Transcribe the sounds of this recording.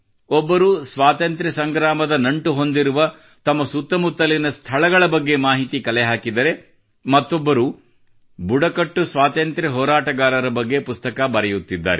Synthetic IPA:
ɔbːɐɾuːsʋaːt̪ɐnt̪ɾɛsɐŋɡɾaːmɐd̪ɐnɐɳʈuɦo̞nd̪iɾuʋɐ | t̪ɐmːɐsut̪ːɐmut̪ːɐlinɐst̪ʰɐɭɐɡɐɭɐbɐɡːe̞maːɦit̪ikɐlɛɦaːkid̪ɐɾe̞ | mɐt̪ːobːɐɾuː | buɽɐkɐʈːusʋaːt̪ɐnt̪ɾɐɦɔːɾaːʈɐɡaːɾɐɾɐbɐɡːe̞pust̪ɐkabɐɾɛjut̪ːid̪ːa̰ːɾe

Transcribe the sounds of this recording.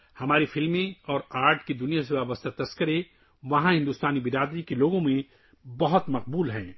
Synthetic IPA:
hɐmaːɾifɪlmẽɔːɾaːɾʈked̪ʊnijas̬eʋaːbəst̪at̪ɐskəɾe | ʋɐɦãɦɪ̃nd̪uːst̪aːnibɪɾaːd̪ɾikeloːɡõmẽ | bɐɦʊt̪mɐq̚buːlɦɛ̰̃ː

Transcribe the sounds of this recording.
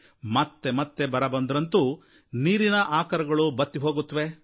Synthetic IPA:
mɐt̪ːe̞mɐt̪ːe̞bɐɾɐbɐnd̪ɾɐnt̪u | niːɾinɐʔaːkɐɾɐɡɐɭubɐt̪ːiɦo̞ːɡut̪ːɐʋe̞

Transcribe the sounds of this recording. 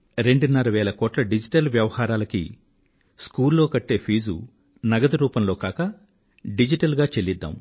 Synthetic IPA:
ɾe̞ɳɖunːɐɾɐʋɛːlɐkɔːʈlɐɖid͡ʒiʈɐlʋjɐʋɐhaːɾaːlɐkḭ | skuːllo̞ːkɐʈːe̞ːpʰiːd͡ʒṵ | nɐɡɐd̪ɐɾuːpɐmlo̞ːkaːkɐ | ɖid͡ʒiʈɐlɡaːt͡ʃelːid̪ːa̰ːm

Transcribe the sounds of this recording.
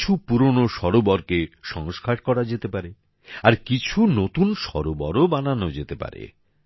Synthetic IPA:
upuɾonoʃɔɾobɔɾkeʃɔŋoʃkʰaɾkɔɾad͡ʑet̪epaɾe | aɾkit͡ɕʰunot̪unʃɔ̰ɾobɔ̰ɾobananod͡ʑet̪epa̰ɾḛ

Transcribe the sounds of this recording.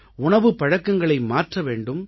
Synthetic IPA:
ʊɳɐʋɯpɐɻɐkːɐŋɡɐɭɐɪmaːʈrɐʋeːɳɖɯm

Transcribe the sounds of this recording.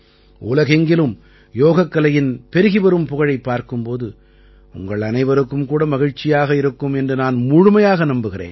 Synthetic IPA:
ʔʊ̰lɐɣɛŋɡɪlɯm | joːɣɐkːɐlɐjɪnpɛɾɪɣɪʋɐɾɯmpʊɣɐɻɐɪpːaːɾkɯmpoːðɯ | ʊ̰ŋɡɐɭɐnɐɪʋɐɾɯkːɯmkuːɽɐmɐɣɪɻt͡ʃːɪjaːɣɐɪɾɯkːɯmɛndrɯnaːnmʊɻʊmɐjaːɣɐnɐmbɯɣɪrḛːn

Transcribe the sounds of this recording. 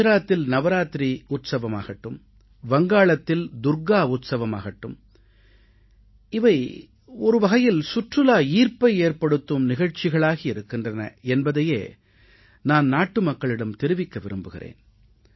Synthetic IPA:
ɾaːt̪ːɪlnɐʋɐɾaːt̪ɾiʊt̪sɐʋɐmaːɣɐʈːɯm | ʋɐŋɡaːɭɐt̪ːɪld̪ʊɾɡaːʊt̪sɐʋɐmaːɣɐʈːɯm | ɪʋɐɪ | ɔɾɯʋɐɣɐjɪlsʊʈrɯlaːiːɾpɐɪeːɾpɐɽɯt̪ːɯmnɪɣɐɻt͡ʃɪɣɐɭaːɣiɪɾɯkːɪndrɐnɐ̰ɛnbɐðɐjḛː | naːnnaːʈːɯmɐkːɐɭɪɽɐmt̪ɪɾɯʋɪkːɐʋɪɾɯmbɯɣɪɾḛːn

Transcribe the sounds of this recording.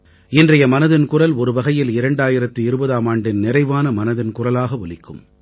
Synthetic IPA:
ɪndrɐjɐmɐnɐðɪnkʊrɐlɔɾɯʋɐɣɐjɪlɪɾɐɳɖaːjɪɾɐt̪ːɯɪɾɯbɐðaːmaːɳɖɪnnɪrɐɪʋaːnɐmɐnɐðɪnkʊrɐlaːɣɐʋɔɭɪkːɯ̰m

